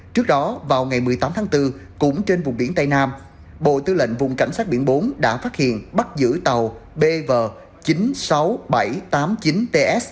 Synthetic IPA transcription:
t͡ɕɨ˦˥ək̚ɗɔ˨˦vaː˨˩wŋa˨˩jmɨ˨˩əjt̪aː˨˦mt̪ʰaː˨˦ŋt̪ɨ˧kʊ̰˧˥ŋ͡mt͡ɕe˧nvʊ˨˩ŋ͡mɓi˧˩ənt̪a˧jnaː˧m | ɓo̰˧˨t̪ɨ˧lə̰˧˨nvʊ˨˩ŋ͡mka˧˩jŋ̟saː˦˥t̚ɓḭ˧˩ənɓo˨˦nɗa̰ː˧˥faː˦˥t̚hḭ˧˨ənɓa˦˥t̚zɨ̰˧˥t̪ə˨˩wɓe˧vəː˨˩ | t͡ɕi˨˦nsa˨˦wɓa˧˩jt̪aː˨˦mt͡ɕi˨˦nt̪e˧ʔɛ˦˥s

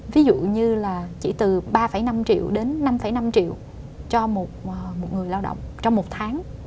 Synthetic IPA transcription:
vi˨˦zṵ˧˨ɲɨ˧laː˨˩t͡ɕḭ˧˩t̪ɨ˨˩ɓaː˧fa˧˩jna˧mt͡ɕḭ˧˨əwɗe˨˦nːa˧mfa˧˩jna˧mt͡ɕḭ˧˨əw | t͡ɕɔ˧mo˨˩t̚ʔmo˨˩t̚ŋɨ˨˩əjlaː˧wɗə̰˧˨wŋ͡mt͡ɕɔ˧wŋ͡mmːo˨˩t̚t̪ʰaː˨˦ŋ

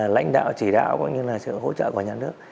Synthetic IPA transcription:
la̰˧˥jŋ̟ɗa̰ː˧˨wt͡ɕi˧˩ɗa̰ː˧˨wkɔ̰˧˥ŋ͡mɲɨ˧laː˨˩sɨ̰˧˨ɦo̰˧˥t͡ɕə̰ː˧˨ku˧˩əɲaː˨˩nɨ˦˥ək̚

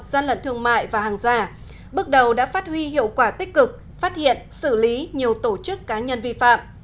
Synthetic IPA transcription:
p̚zaː˧nlə̰˧˨nt̪ʰɨ˧əŋma̰ː˧˨jvaː˨˩haː˨˩ŋzaː˧ | ɓə˦˥k̚ɗə˨˩wɗa̰ː˧˥faː˦˥t̚hwi˧ɦḭ˧˨əwkwaː˧˩t̪i˦˥k̟̚kɨ˨˩k̚ | faː˦˥t̚hḭ˧˨ənsɨ˧˩li˨˦ɲi˨˩əwt̪o˧˩t͡ɕɨ˦˥kːaː˨˦ɲə˧nvi˧fa̰ː˧˨m

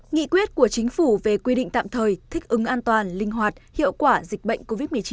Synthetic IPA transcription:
ŋḭ˧˨kwi˦˥ət̚ku˧˩ət͡ɕï˨˦ŋ̟fu˧˩ve˨˩kwi˧ɗḭ̈˧˨ŋt̪a̰ː˧˨mt̪ʰəː˨˩jt̪ʰï˦˥k̟̚ʔɨ˨˦ŋʔaː˧nt̪waː˨˩nlï˧ŋ̟ɦwaː˨˩t̚hḭ˧˨ə˨wkwaː˧˩zï˨˩k̟̚ɓə̰˧˨jŋ̟ko˧vi˦˥t̚mɨ˨˩ət͡ɕi˨˦

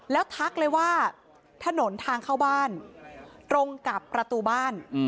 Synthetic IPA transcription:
lɛː˦˥wt̪ʰa˦˥k̚lɤː˧jwaː˥˩ | t̪ʰa˧no˩˦nt̪ʰaː˧ŋkʰaː˥˩wbaː˥˩nt̪ɾo˧ŋka˨˩pːɾa˧t̪uː˧baː˥˩n

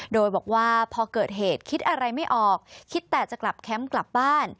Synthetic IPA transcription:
doː˧jbɔː˨˩k̚waː˥˩pʰɔː˧kɤː˨˩t̪̚ɦeː˨˩t̪̚kʰi˦˥t̪̚ʔa˧ɾa˧jma˥˩jʔɔː˨˩k̚kʰːi˦˥t̪ːɛː˨˩t͡ɕa˨˩kla˨˩p̚kʰɛ˦˥mkla˨˩p̚baː˥˩n

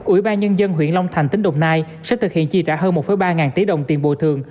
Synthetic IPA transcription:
ʔwḭ˧˩ɓaː˧nɲə˧nzə˧nɦwḭ˧˨ənla˧wŋ͡mt̪ʰa˨˩jŋ̟t̪ï˨˦ŋ̟ɗə˨wŋ͡mnaː˧jsɛ̰˧˥t̪ʰɨ˨˩k̚hḭ˧˨ənt͡ɕi˨˩t͡ɕaː˧˥ɦəː˧nmo˨˩ə˨˩˦jɓaː˧ŋaː˨˩nt̪i˨˦ɗə̰˧˨wŋ͡mt̪i˨˩ənɓo̰˧˨t̪ʰɨ˨˩əŋ

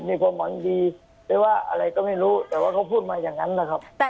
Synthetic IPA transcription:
miː˧˩kʰwaː˧˥˨mwa˨˦ŋdiː˧ | tɛ˧˥˩waː˧˩ʔa̰˧ɾa˧jkɔː˥˩ma˥˩jɾuː˦˥t̪ɛː˨˩waː˥˩kʰa˧˩wpʰuː˥˩t̪̚maː˧jaː˨˩ŋːa˦˥nla˦˧˩kʰa˦˥p̚

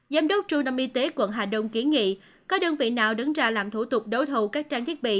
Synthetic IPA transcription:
zaː˨˦mɗə˦˥k͡p̚t͡ɕʊ˧ŋ͡mt̪ə˧mʔi˧t̪e˨˦kwə̰˧˨nɦaː˨˩ɗə˧wŋ͡mki˨˦ənŋḭ˧˨ | kɔ˨˦ɗəː˧nvḭ˧˨naː˨˩wɗə˨˦ŋzaː˧laː˨˩mt̪ʰu˧˩t̪ʊ˨˩k͡p̚ɗo˨˦t̪ʰu˨˩kaː˦˥k̚t͡ɕaː˧ŋt̪ʰi˦˥ət̚ɓḭ˧˨

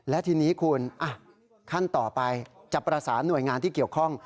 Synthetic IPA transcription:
lɛ˦˥t̪ʰiː˧niː˦˥kʰuː˧nʔa˧˩ | kʰa˥˩nt̪ɔː˨˩pa˧jt͡ɕa˨˩pːɾa˧saː˩˦nːu˨˩əjŋaː˧nt̪iː˥˩ki˨˩əwkʰɔ˥˩ŋ

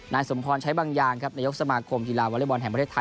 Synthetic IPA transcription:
naː˧jso˩˦mpʰɔː˧nt͡ɕʰa˦˥baː˧ŋjaː˨˩ŋkʰa˦˥p̚naː˧jo˦˥k̚sa˧maː˧kʰo˧mki˧laː˧wa˧˥li˦˥˩bɔː˧nɦɛ˨˩ŋp̬ɾʰeː˥˩t̪ʰːa˧

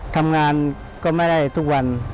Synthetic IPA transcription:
t̪ʰa˧mŋaː˧n | kɔː˥˩ma˥˩jda˥˩jt̪ʰu˦˥k̚wa˧n

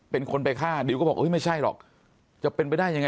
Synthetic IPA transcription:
pe˧nkʰo˧npa˧jkʰaː˥˩di˧˦kɔ˥˩ɔː˨˩ʔɤː˦˥jma˥˩jt͡ɕʰa˥˩jlɔ̰ː˨˩k̚ | t͡ɕa˨˩pːe˧npa˧jdaː˥˩jːa˧ŋa˧

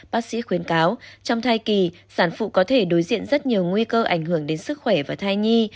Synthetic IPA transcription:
ɓaː˦˥k̚sḭ˧˥xwi˨˦ənkaː˨˦wt͡ɕɔ˧wŋ͡mt̪ʰaː˧jki˨˩ | saː˧˩nfṵ˧˨kɔ˨˦t̪ʰe˧˩ɗo˨˦jzḭ˧˨ənzə˦˥t̚ɲi˨˩əwŋwi˧kəː˧ʔa˧˩jŋ̟hɨ˧˩əŋɗe˨˦nsɨ˦˥k̚xwɛ˧˩vaː˨˩t̪ʰaː˧jɲi˧

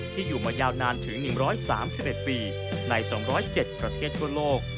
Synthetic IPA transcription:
t̪ʰiː˥˩juː˨˩maː˧jaː˧˩wnaː˧nt̪ʰɯ˩˦ŋnɯ˨˩ŋɾɔː˦˥jsa̰ː˩˦msi˨˩p̚ʔe˨˩t̪̚piː˧ | na˧jsɔː˩˦ŋɾɔː˦˥jt͡ɕe˨˩t̪̚pɾa˧t̪ʰeː˥˩t̪ʰːu˥˩ɐloː˥˩k̚

